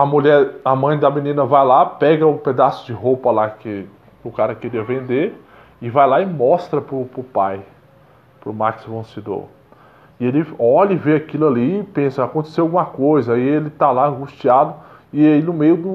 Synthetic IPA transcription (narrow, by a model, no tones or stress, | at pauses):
ɐmuʎɛɾɐmɐ̃j̃d̪ɐmĩnĩnɐvajlapɛɡɐʊped̪asʊ̥d͡ʒɪɦowpɐlakɪ | ʊkaɾɐkeɾiɐvẽnd̪eɾ | ɪvajlaɪmɔst̪ɾɐpɾʊpɾʊpaj | pɾʊmaksvẽsed̪o̰ɾ | ɪelɪɔʎɐɪveakilʊalipẽsɐakõnt̪e̥sewawɡũmɐkojzɐaielɪt̪alaɐ̃ŋɡuʃt͡ʃiad̪ʊ | ɪinʊmejʊd̪ʊ